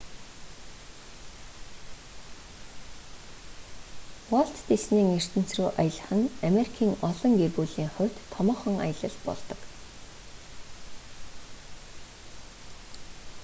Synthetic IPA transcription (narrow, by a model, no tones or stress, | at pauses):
wɔɬt̪ːesniːŋer̥t̪ɘ̆n̥t͡sruːʔajə̆ɮə̆χə̆nameɾikʰiːŋɔɮɞ̆ŋɡerɣuːɮiːŋχʊ̟w̥ʲt̪ʰːɔmɔːχɞ̆ŋa̰jə̆ɮə̆ɮpɔ̰ɮt̪ɞ̆k